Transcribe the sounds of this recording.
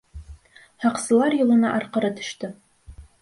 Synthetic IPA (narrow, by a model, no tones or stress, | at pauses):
ħaqsɨlarjɪlɨnaʔarqəɾadɨ̥ʃtʰɨ